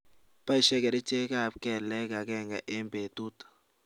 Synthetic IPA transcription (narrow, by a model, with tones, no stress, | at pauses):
pa˦i˨ʃɛ˦kɛ˨ɾɛ˦t͡ʃe˦ka˦˨pkɛ˨lɛ˦ka˨ɡɛ˦ŋɡa˨ʔe˦mbe˨t̪u˦t̪ḁ˨